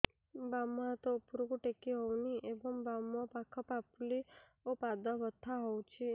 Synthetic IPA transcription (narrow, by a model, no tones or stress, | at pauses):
bamːat̪oupɾuɡuʈekiɦɔʋniʔebəmbamːɔ̃pakʰəpapli | opad̪aʋət̪ʰːaɦɔwt͡ʃʰe